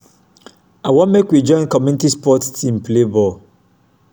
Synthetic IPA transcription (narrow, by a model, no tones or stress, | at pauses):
awɔ̃mekwid͡ʒɔ̃ɪ̃nkɔmjunitispɔttʰĩmplebɔl